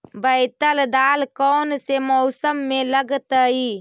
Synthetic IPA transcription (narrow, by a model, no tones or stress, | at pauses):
bəɪt̪əld̪aːlkɔːnsemɔsəmːẽləɡt̪əi